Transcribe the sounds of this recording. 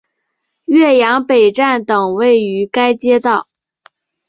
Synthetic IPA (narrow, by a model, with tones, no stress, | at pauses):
ɥɛ˥˩jɑ˧˥ŋpe˨˩ɪʈ͡ʂa˥˩nt̪ɤ˨˩ŋwe˥˩ɪy˧˥ka˥ɪt͡ɕjɛ˥t̪ɑ˥˩ʊ